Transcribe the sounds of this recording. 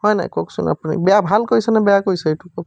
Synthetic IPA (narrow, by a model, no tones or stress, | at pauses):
hɔjna̰jkɔksṵna̰punḭbɛjabʱalkojsɛnɛbɛjakojsɛejtukɔk